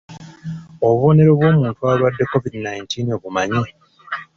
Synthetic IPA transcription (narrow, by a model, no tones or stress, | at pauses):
o̞βuβo̞ne̞ɾo̞βwo̞ːmuːntuaːβadːe̞ko̞vidinajintino̞βumaɲi